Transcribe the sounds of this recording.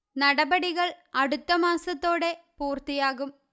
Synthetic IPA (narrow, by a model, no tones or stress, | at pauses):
nɐɽɐbɐɽiɣɐɭɐɽut̪ːɐmaːsɐt̪ːo̞ːɽe̞puːrt̪ijaːɣum